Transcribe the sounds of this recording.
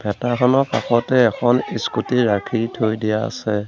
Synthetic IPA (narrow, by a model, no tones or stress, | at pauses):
b̥ʰʱɛtakʰɔnɔpakɔtɛːkʰɔniskutiɹakʰitʰojdijaa̰sɛ